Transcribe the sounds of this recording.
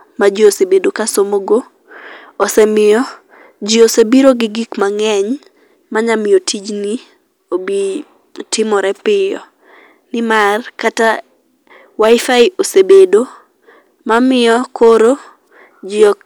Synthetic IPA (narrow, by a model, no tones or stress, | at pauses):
mad͡ʒiosebedokasomoɡoː | sɛmɪjɔ | d͡ʒɪosebiɾoɡɪɡikmaŋɛɲ | maɲamɪjɔtʰid͡ʒni | obi | tʰɪmɔɾɛpɪjɔ̰ | nɪmarkata | waɪfaɪosebedo | mamɪjɔkoɾo | d͡ʒɪɔ